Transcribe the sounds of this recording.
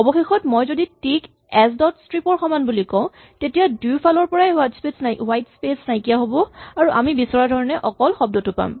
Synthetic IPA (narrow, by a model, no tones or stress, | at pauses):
ɔbɔxexɔtmɔjzoditik | ɛs̬dɔtstɹipɔɹxɔmanbulikɔ̃ʊ̃ | tetijadupʰalɔɹpɔɹajɦatspesnawajtspesnajkijaɦobɔaɹuʔamibisɔɹadʱɔɹɔnɛʔɔkɔlxɔb̚dɔtʊpa̰m